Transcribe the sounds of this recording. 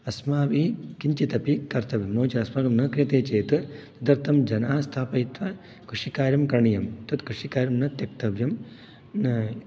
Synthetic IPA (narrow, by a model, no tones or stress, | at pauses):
ɐsmaːʋikiɲt͡ʃit̪ɐpikɐɾt̪ɐʋjɐmnoːt͡ʃɐɐsmaːɡɐmnɐkɾijɐt̪eːt͡ʃeːt̪ɨt̪ɐd̪ɐɾt̪ʰɐmd͡ʒɐnaːst̪ʰaːpɐjit̪ʋɐ | kɾuʂikaːɾjɐmkɾɐɳijɐmt̪ɐt̪kɾuʂikaːɾjɐmnɐt̪jɐk̚t̪ɐʋjɐm | nɐ